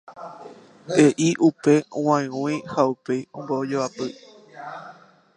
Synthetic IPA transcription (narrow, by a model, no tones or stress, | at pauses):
eʔiʔupe̞w̃ãẽõĩhaupejõmbod͡ʒoapɨ